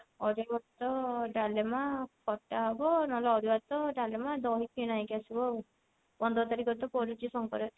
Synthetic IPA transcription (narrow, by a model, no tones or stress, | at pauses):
ɔɾabat̪ɔɖalemapʰɔʈaɦɔbɔnɔlɔɔɾubat̪ɔɖalemad̪ɔɦikinaĩkasibɔ | bɔnd̪ɔt̪aɾikɔt̪ɔpɔɾut͡ʃisɔŋkɔ̰ɾe